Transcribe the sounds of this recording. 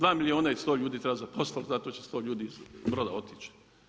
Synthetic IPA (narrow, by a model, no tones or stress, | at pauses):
d̪ʋaːmilioːnajist̪oːʎuːd̪iːt̪ɾebazapost̪alzat̪ot͡ɕest̪oːʎuːd̪iizbɾoːd̪a̰o̞t̪it͡ʃ